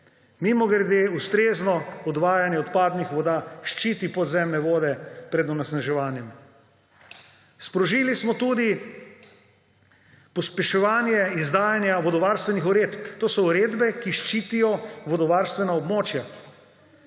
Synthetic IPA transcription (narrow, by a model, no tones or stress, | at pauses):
mimɔɡɾɛd̪eust̪ɾeːznɔɔd̪ʋaːjanjɛɔt̪paːd̪nixʋɔd̪aːʃt͡ʃiːt̪ipɔd̪zɛmnɛʋoːd̪ɛpɾɛd̪ɔnɛsnaʒɛʋaːnjɛm | spɾɔʒiːlismɔt̪uːd̪i | pɔspɛʃɛʋaːnjɛizd̪aːjanjaʋɔd̪ɔʋaːɾst̪ʋɛnixuɾeːt̪pt̪oːsɔuɾeːd̪bɛkiʃt͡ʃiːt̪ijɔʋɔd̪ɔʋaːɾst̪ʋɛnaɔbmoːt͡ʃja